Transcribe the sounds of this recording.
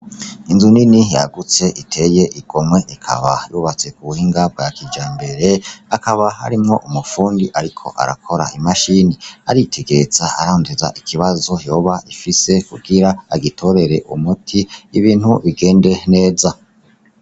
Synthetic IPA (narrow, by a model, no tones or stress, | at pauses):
inzuninija̰ɡut͡se̞ʔitʰe̞je̞ʔiɡ̥o̞mwe̞ʔikʰa̰βa̰juːβat͡se̞kuβuhiːŋɡab̚ɡakid͡ʒaːmbe̞ɾe̞akaβaha̰ɾimŋo̞ʔumufuːndiʔaɾikʰo̞̰ʔa̰ɾa̰kʰo̞ɾa̰ʔimaʃiniaɾitʰe̞ɡe̞ɾez̥aa̰ɾaondeza̰ʔikʰiβazo̞jo̞ːβaʔifise̞kuɡiɾaːɡitʰo̞ɾe̞ɾe̞ʔumutʰiːβiːnhuβiɡe̞ːnde̞ne̞ːza